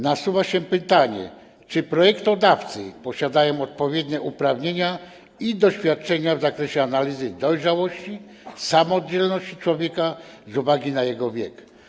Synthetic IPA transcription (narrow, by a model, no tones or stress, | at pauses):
nasuvaɕɛpɘt̪aɲɛ̰ | t͡ʂɘpɾɔjɛkt̪ɔd̪aft̪sɘ̰pɔɕad̪ajɔ̃w̃ɔt̪̚pɔvʲjɛd̪ɲɛʔupɾavɲeɲa | id̪ɔɕfʲjat̪̚t͡ʂɛɲavzakɾɛɕɛanalʲizɘd̪ɔjʐawɔɕt͡ɕi | samɔd͡ʑɛlnɔɕt͡ɕi̥t͡ʂwɔvʲjɛkazuvaɡʲinajɛɡɔvʲjɛk